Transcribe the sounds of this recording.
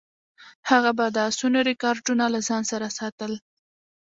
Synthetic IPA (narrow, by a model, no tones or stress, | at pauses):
haɣabad̪asunoɾɪkɑɾɖunalazɑnsaɾasɑt̪əl